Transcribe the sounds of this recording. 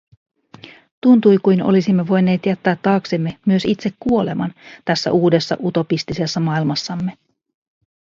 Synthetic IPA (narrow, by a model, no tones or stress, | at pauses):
t̪unt̪ujkujnolisimːe̞ʋo̞jne̞ːt̪jæt̪ːæːt̪ːɑːksemːe̞myø̞sit̪se̞kkːuo̞le̞mɑnt̪æsːæ̰ʔuːde̞sːɑ̰ʔut̪o̞pist̪isesːɑmɑilmɑsːɑmːe̞